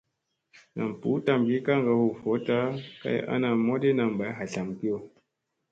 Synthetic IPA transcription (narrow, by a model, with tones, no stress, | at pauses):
na˨m˨pu˨˦ta˨mɡi˦ka˦ŋɡa˨ho˨fɔ˨˦ta˦ka̰˦ja̰˦na˨mo˦de˦na˨m˨ba˨˦ɦa˨ɬa˨mki˦o˨